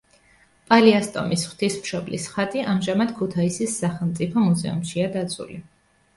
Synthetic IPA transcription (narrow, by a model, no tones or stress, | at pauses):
pʼaliast̪ʼɔ̰misχw̥t̪ʰismʃɔblḭsχat̪ʼiʔamʒamad̪̥kʰut̪ʰaisisːaχɛlˠmt̪sʼipʰɔmuzɛ̰ṵmʃiad̪at̪sʰṵli